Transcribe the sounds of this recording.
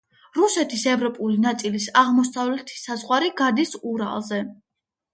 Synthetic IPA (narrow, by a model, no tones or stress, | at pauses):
ɾusɛt̪ʰisɛvɾɔpʼulinat̪sʼilisaʁmɔsavlɛt̪ʰi̥sazʁwaɾiɡad̪isuɾa̰lˠzɛ